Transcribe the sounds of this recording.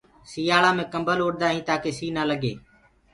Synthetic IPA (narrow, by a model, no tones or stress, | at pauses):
siːaːɭãːmẽːkəmbəloːɽd̪aːɦĩːt̪aːkeːsiːnaːləɠeː